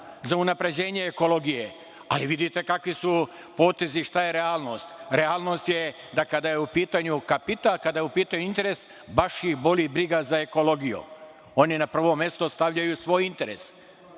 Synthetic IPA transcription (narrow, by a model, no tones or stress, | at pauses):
zaunapɾe̞d͡ʑe̞ːɲe̞ːko̞lo̞ɡije | a̰liʋid̪it̪e̞kakʋisu | po̞ːt̪e̞ziʃt̪aje̞ɾe̞aːlˠno̞ːst̪ɾe̞aːlno̞st̪je̞ | d̪akad̪ajeupiːt̪aɲukapit̪alkad̪ajeupiːt̪aɲuint̪e̞ɾe̞s | baʃjibo̞ʎibɾiɡazaeko̞lo̞ɡijṵ | o̞ninapr̩ʋo̞mje̞st̪ost̪aʋʎajusʋo̞ːjint̪e̞ɾe̞̰s